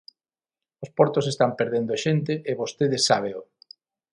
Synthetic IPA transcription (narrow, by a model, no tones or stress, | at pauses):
ospɔɾt̪osest̪ampeɾðend̪ʊʃent̪eʔːβost̪eð̞esːa̰β̞eʊ